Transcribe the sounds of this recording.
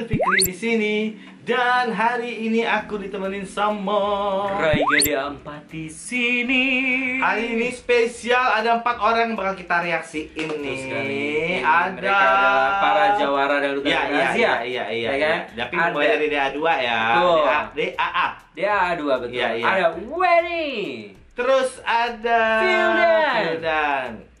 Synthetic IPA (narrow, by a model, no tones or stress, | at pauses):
fikɾidisini | danɦaɾiːniʔakudit̪əmənɪnsəmɔraiɡadiəmpat̪̚isiniainispesialadaəmpat̪oɾaŋbakalkit̪aɾeaksiːnːi | adapaɾad͡ʒawaɾadalut̪aiaaijaijakadapiaaɾideaduajabəʊadeʔaʔa | deaːduabət̪jaijaadawɛni | t̪əɾʊsadaidadan